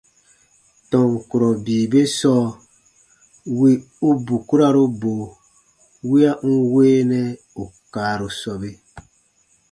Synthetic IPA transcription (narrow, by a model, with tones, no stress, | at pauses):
tɔ̃˨ŋ˨ku˨ɾɔ˨biː˨be˦sɔː˦ | wi˦ | u˦bu˨ku˦ɾa˦ɾo˦bo˨ | wi˦a˦ʔŋ̩˦weː˦nɛ˦ | u˨kaː˨ɾo˨sɔ˧be˦